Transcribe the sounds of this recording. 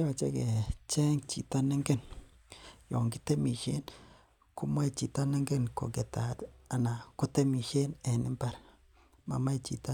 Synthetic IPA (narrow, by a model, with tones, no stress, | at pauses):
a˨t͡ʃḛ˦ke˨t͡ʃɛ˦ŋt͡ʃḭ˨ta˦ne˦ŋɡe˦n | jɔ˨ŋɡi˦te˦mi˨ʃe˦n | ku˦mwɛ˦t͡ʃi˨ta˦nɛ˦ŋɡe˦nko̰˨ke˨ta˨ta˨na˨ko˦te˦mi˨ʃe˦ne˨nɪ˦mba˦ɾ | ma̰˨ma˦t͡ʃi˨ta˦